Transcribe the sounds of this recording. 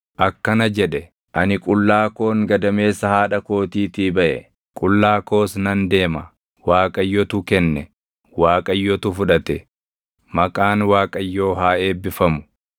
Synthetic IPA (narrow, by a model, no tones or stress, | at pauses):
ʔɐkːɐnɐd͡ʒɛᶑɛ | ʔɐnɪkʼʊlːaːko̞ːŋɡɐd̪ɐme̞ːsːɐhaːᶑɐko̞ːt̪iːt̪ibɐʔɛ̰ | kʼʊlːaːko̞ːsnɐnd̪e̞ːmɐ | waːkʼɐjːɔt̪ʊkɛnːɛ | waːkʼɐjːɔt̪ʊfʊᶑɐt̪ɛ | mɐkʼaːnwaːkʼɐjːo̞ːɦaːe̞ːbːɪfɐmʊ̥